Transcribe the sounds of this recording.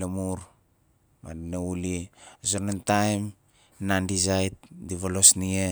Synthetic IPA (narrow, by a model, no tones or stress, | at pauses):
lemuɾ | ma̰dineulisoɾnentajm | nandizajt̚diβolosnie